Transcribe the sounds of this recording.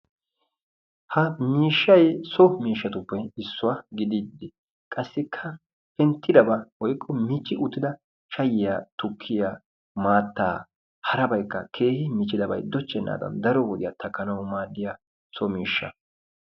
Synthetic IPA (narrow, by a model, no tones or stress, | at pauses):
hɐmiːʃːɐjsɔmiːʃːɐt̪ʊpːɛɪsːʊwaɡɪd̪id̪ːɪ | kʼɐsːɪkʰːɐ | pɛnt̪ːɪd̪ɐbɐwɔjkʼːɔmit͡ʃːɪʔʊt̪ːɪd̪ɐ | ʃɐjɪjat̪ʊkʰːɪjaː | maːt̪ːa̰ː | hɐɾɐbɐjkːɐ̰kʰe̞ːhɪmɪt͡ʃːɪd̪ɐbɐ̰jd̪ɔt͡ʃːɛnːa̰ːd̪ɐ̰nd̪ɐɾɔwɔd̪ɪjat̪ʰɐkːɐnɐwmaːd̪ːɪja | sɔmiːʃːɐ̰